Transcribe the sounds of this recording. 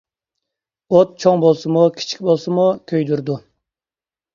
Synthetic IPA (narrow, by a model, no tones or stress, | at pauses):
ot̪̚t͡ʃʰoŋbolˠsɨmukʲʰi̥t͡ʃʰi̥kʲbolˠsɨmukʲʰøjd̪uɾd̪u